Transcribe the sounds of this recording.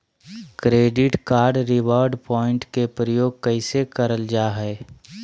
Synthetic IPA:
kɾeːɖɪʈkaːɾɖɾɪwɔːɾɖpɔːɪ̃ɳʈkepɾəjoːɡ̚kəɪsekəɾəld͡ʒaːɦɛː

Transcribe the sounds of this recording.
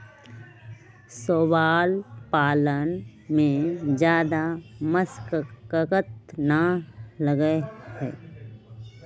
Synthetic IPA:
soːbaːlpaːlənmẽd͡ʒjaːd̪aməskkəkət̪naləɡəhɛ̰ː

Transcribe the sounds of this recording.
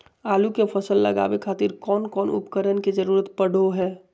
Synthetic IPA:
aːlukepʰəsəlːə̰ɡa̰ːʋekʰaːt̪iɾkɔːnkɔːnʊ̰pkəɾənkid͡ʒəɾuːɾət̪pəɽ̤oɦɛː

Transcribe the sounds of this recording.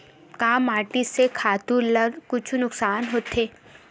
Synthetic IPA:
kaːmaːʈisekʰaːt̪uləkʊt͡ʃʰunʊksaːnɦoːt̪eː

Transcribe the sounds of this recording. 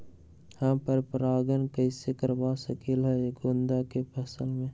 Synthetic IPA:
hãpəɾpɾaːɡənkəɪsekəɾwasəkilɦɛeɡond̪akepʰəsəlmẽ

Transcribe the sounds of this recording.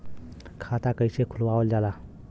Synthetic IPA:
kʰat̪akəjsekʰulwawəld͡ʒala

